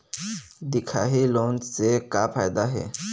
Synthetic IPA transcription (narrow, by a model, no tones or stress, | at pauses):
d̪ikʰaɦiːlonst͡sekafajd̪aaɦḛ